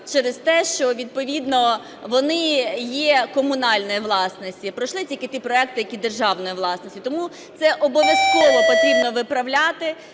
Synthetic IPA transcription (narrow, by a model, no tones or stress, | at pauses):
t͡ʃɛɾɪzt̪ɛʃt͡ʃɔʋʲid̪̚pɔʋʲid̪nɔ | ʋɔnɪjɛkɔmʊnɑlʲnɔjiʋlˠɑsnɔsʲtʲipɾɔʃlˠɪtʲilʲkɪipɾɔɛk̚t̪ɪjɐkʲid̪erʒɑwnɔjiʋlˠɑsnɔsʲtʲit̪ɔmu | t̪sɛʔɔbɔʋʲjɐskɔʋɔpɔt̪ɾʲibnɔʋɪpɾɐʋlʲat̪ɪ